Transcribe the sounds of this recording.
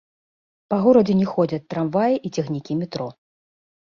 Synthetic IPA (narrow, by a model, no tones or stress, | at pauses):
pɐɣɔɾɐd͡zʲɛnʲɛxɔd͡zʲɐt͡s̚ʲt̪ːɾamvajiʔit͡sʲɛxnʲikʲimʲɛt̪ɾɔ